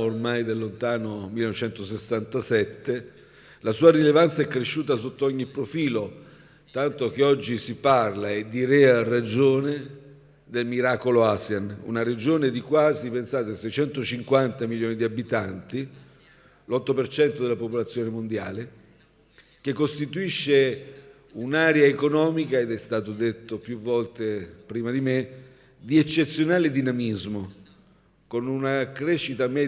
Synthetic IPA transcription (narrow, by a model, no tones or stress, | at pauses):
ormajd̪elːont̪aːnomilːenɔvet͡ʃɛnt̪osesːant̪asɛt̪ːe | lasuːaɾilevant̪saɛkːɾeʃːuːt̪̬as̬ot̪ːoɔɲːipːɾofiːlo | t̪ant̪ok̟eɔd͡ʒːisiparlaed̪iɾɛarad͡ʒoːne | d̪elmiɾaːkoloasjanṵnaɾed͡ʒoːned̪ikwaːzipensaːt̪esejt͡ʃɛnt̪ot͡ʃiŋkwant̪amiljoːnid̪iabit̪ant̪i | lɔt̪ːopert͡ʃɛnt̪od̪elapopolat̪sːjoːnemond̪jaːle | k̟ekːost̪it̪uiʃːe | unaːɾjaekonɔːmikaed̪ɛst̪aːt̪od̪et̪ːopjuvːɔlt̪epɾiːmad̪ime | d̪iet͡ʃːet̪sːjonaːled̪inamizmo | konunakɾeʃːit̪amɛ